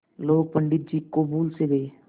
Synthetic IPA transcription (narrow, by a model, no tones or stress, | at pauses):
loːɡ̚pəɳɖɪt̪̚d͡ʒiːkobuːlseɡeː